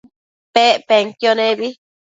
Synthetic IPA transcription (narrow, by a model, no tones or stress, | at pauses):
peʔpeŋkjonẽβi